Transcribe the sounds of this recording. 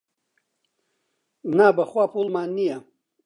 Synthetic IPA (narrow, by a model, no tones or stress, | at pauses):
naːbɐχwaːpʰulmaːnːija